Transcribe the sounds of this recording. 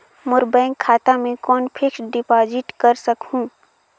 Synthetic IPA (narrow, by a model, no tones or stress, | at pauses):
mʊɾbɛ̃ːŋkʰːaːt̪amẽkɔːnpʰɪksɖɪpaːd͡ʒɪʈkɐɾsɐkɦũː